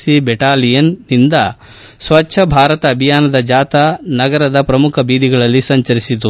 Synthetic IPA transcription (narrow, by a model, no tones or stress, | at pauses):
sibɛʈaːlijɐnːind̪ɐ | sʋɐtːʰɐbʱaːɾɐt̪ɐːbʱijaːnɐd̪ɐd͡ʒaːt̪anɐɡɐɾɐd̪ɐpɾɐmukʰɐbiːd̪iɡɐɭɐlːisɐɲt͡ʃɐɾisit̪u